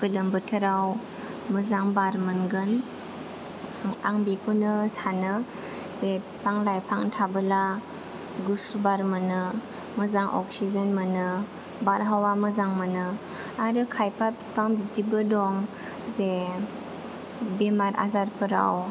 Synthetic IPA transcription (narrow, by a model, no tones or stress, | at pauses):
kɯlɯmbɯtʰɯɾaw | mɯzaŋbaɾmɯnɡɯn | aŋbikʰunɯsanɯ | zepspaŋlajpʰaŋtʰabɯla | ɡusubaɾmɯnɯ | mɯzaŋʔɔ̰k̚sizenmɯnɯ | baɾɦawamɯzaŋmɯnɯ | aɾɯkʰajpʰapspaŋbitʰibɯdɔŋ | ze | bemaɾa̰zaɾpʰɯɾa̰w